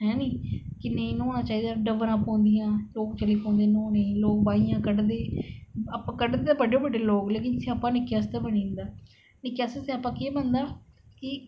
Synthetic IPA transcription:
ɦɛ̃ːnĩːkɪneĩːnõːnaːt͡ʃaːɦiːd̪aːɖəʋəɾaːpɔ̃ːnd̪ijãːloːk̚t͡ʃəliːpɔ̃ːnd̪eːnõːneĩloːk̚baːijãːkəɖd̪eːəpãːkəɖd̪eːt̪aːbəɖeːbəɖeːloːkleːkɪnsĩəpːãːnɪkjaːst̪aːbənĩːnd̪aː | nɪkːjaːsesĩapːãːkeːbənd̪aː | kɪ

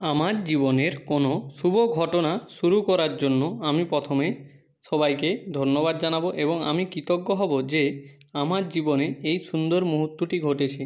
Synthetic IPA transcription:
amaɾd͡ʑiboneɾkonoʃuboɡʱɔʈonaʃuɾukɔɾaɾd͡ʑonːoamipɾɔt̪ʰome | ʃɔbajked̪ʱoɾnːobad̪d͡ʑanaboʔeboŋa̰mikit̪okːoɦɔbod͡ʑe | amaɾd͡ʑiboneejʃund̪oɾmuɦut̪ːoʈiɡʱoʈet͡ɕʰi

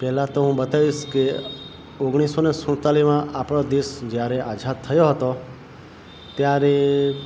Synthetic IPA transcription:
pɛɦlãt̪oɦũbət̪aʋiʃke | oɡɽ̃isonesʊɽ̃t̪alimãʔapɽ̃od̪isd͡ʒjaɾeʔad͡ʒʱat̪ʰːəjoɦət̪o | t̪jaɾe

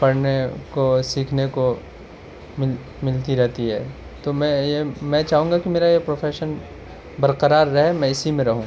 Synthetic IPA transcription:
pɐɾnekosiːkʰneko | mɪl | mɪlt̪iɾɛɦt̪iɦɛ̰ː | t̪omɛ̃jemɛ̃t͡ʃaːɦũːŋɡakimeːɾajepɾoːfʰeːʃən | bɐɾqəɾaːɾːɐɦɛmɛ̃ɪsimẽɾɐɦũː

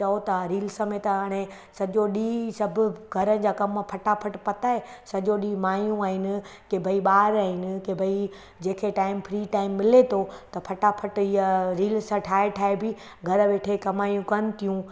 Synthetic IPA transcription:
ɐot̪ʰaɾiːlsəmẽt̪ɐɦaɽ̃ẽ | sɐʄoɗiːsɐbʱʊɡʱɐɾənɪ̆d͡ʑaːkɐmpʰɐʈapʰɐʈpɐt̪aːɦesɐʄoɗiːmaːjũaːɦɪnɪ̆kebʱɐiɓaːɾaːɦɪnɪ̆kebʱɐi | d͡ʑeːkʰeʈaːɪmpʰɾiːʈaːɪmːɪlet̪ʰot̪ɐpʰɐʈapʰɐʈɪəɾiːlsaʈʰaːeʈʰaːebi | ɡʱɐɾəʋeːʈʰekɐmaːjũkɐnɪ̆t̪ʰijũ

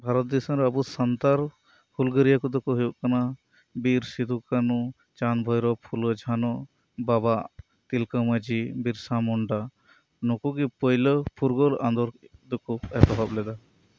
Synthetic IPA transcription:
bʱaɾɔt̪̚d̪ɛsəɾabusant̪aɾ | pʰulɡəɾijakɔd̪ukuɦujuʔ̚kana | biɾsid̪ʱukanu | t͡ʃanbʱɔjɾɔpʰulɔd͡ʒʱanɔ | babaʔ | t̪ilkəməd͡ʒibiɾsamɔɳɖa | nɔkuɡipəjləpʰuɾɡɔla̰nd̪ɔɾd̪ukuɛpɔbʱablɛd̪a

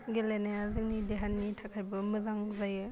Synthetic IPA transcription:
ɡelenajazɯŋnideɦanːitʰakʰajbɐmɯzaŋzajɯ

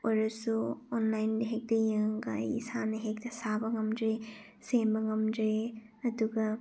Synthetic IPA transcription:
ojɾɐsuonlajndɐɦek̚dɐjɯŋɡa̰jḭsanɐɦek̚tɐsabɐŋɐmdɾe | sembɐŋɐmdɾe | ɐduɡɐ

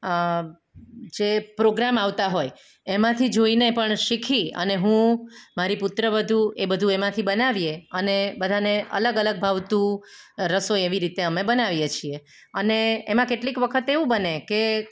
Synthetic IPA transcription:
d͡ʒepɾoɡɾamaʋt̪aɦoj | emãt̪ʰid͡ʒoinepəɳʃikʰiə̰neɦũmaɾipʊt̪ɾəbəd̪ʱuebəd̪ʱuemãt̪ʰibənaʋjeənebəd̪ʱaneə̰ləɡələɡ̚bʱaʋt̪ũɾəsoeʋiɾit̪eəmẽbənaʋjet͡ʃʰie | əneemãkeʈlikʋəkʰət̪eʋũbəneke

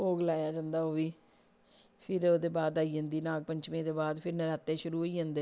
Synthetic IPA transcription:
oːɡəlaːjaːd͡ʒãːnd̪aːɦoːʋiː | pʰɪɾoːd̪eːbaːd̪aːiːə̃ːnd̪iːnaːɡ̚pəɲt͡ʃmĩːd̪eːbaːd̪pʰɪɾnəɾaːt̪ːeːʃʊɾuːoːiːɦãːnd̪eː

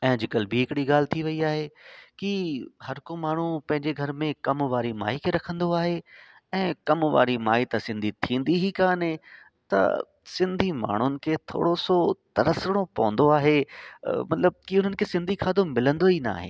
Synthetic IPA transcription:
ɛ̃ːd͡ʑɪkəlbʱiɦɪkɪɽiɡaːl̤ɪt̪ʰiʋɐiaːɦekihɐɾkomaːɳ̤upɐ̃ɦɪ̃ɲd͡ʑeɡʱɐɾmẽkɐmʋaːɾima̰ːikʰeɾɐkʰə̃nd̪oaːɦe | ɛ̃ːkɐmʋa̰ːɾimaːit̪ɐsɪ̃nd̪ʱit̪ʰĩːn̆d̪iɦikãːne | t̪ɐ̰ | sɪ̃nd̪ʱima̰ːɳ̤ʊnɪ̆kʰet̪ʰo̰ːɽosot̪ɐɾəsəɽ̃opɐʋə̃n̆d̪oaːɦe | mɐt̪ləb̚kiʊn̤ənɪ̆kʰesɪ̃nd̪ʱikʰaːd̪omɪlə̃nd̪oɦina̰ːɦḛː

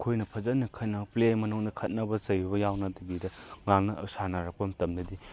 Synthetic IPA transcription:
kʰojnɐpʰɐzɐnːɐkʰɐt̚nɐplejmɐnuŋdɐkʰɐt̚nɐbɐt͡ʃɐjbɐjawnɐdibidɐŋaŋnɐsanɐɾɐk̚pɐmtɐmdɐdi

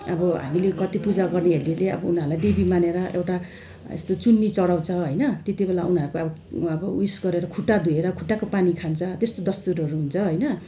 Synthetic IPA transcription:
ʌbʌɦa̰milekʌt̪ipud͡zaɡʌrneɦelileʌ̰bʌunaɾulajd̪ebimaneɾʌʔḛwʈa | ḛst̪ot͡sunːit͡sʌɽaw̃t͡sʰʌɦojnʌt̪et̪ibelaunaɾukoʌbʌʌbʌusɡʌɾeɾʌkʰuʈːad̪ʱueɾʌkʰuʈːakopanikʰant͡sʰʌt̪est̪od̪ʌst̪uɾʌɾuɦunt͡sʰʌɦʌjnʌ

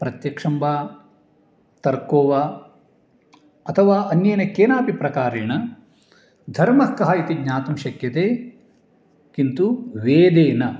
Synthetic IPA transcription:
pɾɐt̪jɐkʂɐmbaː | t̪ɐɾkoːʋaː | ɐt̪ʰɐʋaːʔɐnjeːnɐkeːnaːpipɾɐkaːɾeːɳɐ | d̪ʱɐɾmɐkːɐɦɐit̪iɡɲaːt̪ɐmʃɐkjɐt̪eː | kint̪uʋeːd̪eːnɐ

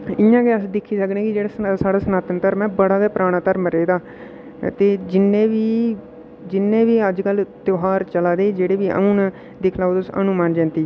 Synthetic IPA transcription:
ɪjãːkeːəsd̪ɪkʰːiːsəknɛ̃ːkɪd͡ʒeːɽaːssaːɽaːsənaːt̪ənt̪əɾmɛ̃ːbəɽaːd̪aːpɾaːɽ̃ãːt̪əɾmɾeːd̪aː | t̪eːd͡ʒɪnẽːʋiː | d͡ʒɪnːẽːʋiːəd͡ʒkəlt̪joɦaːɾt͡ʃəlaːd̪eːd͡ʒeːɽeːbiːʔə̰ũːnː | d̪ɪkʰlaːod̪ʊsə̰numãːnd͡ʒɛ̃ːnt̪iː

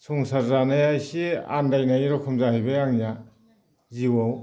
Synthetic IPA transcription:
sʰɔŋsaɾzanajajsia̰ndajnajɾɔkʰumzahajbajaŋija | ziwaw

